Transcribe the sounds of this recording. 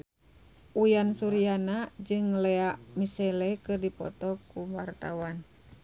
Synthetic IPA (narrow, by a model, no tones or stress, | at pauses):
ʔujansuɾianad͡ʒɨŋlɛaʔmisɛlɛkɨrdipɔ̰t̪ɔkuwart̪awan